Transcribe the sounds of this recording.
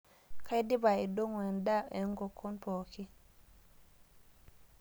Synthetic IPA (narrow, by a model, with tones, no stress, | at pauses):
ka˦jdi˦ba˨i˨dɔ˦ŋwɛ˨nda˦ɛ˨ŋɡɔ˨kʰːɔ˦npɔ˨ki˦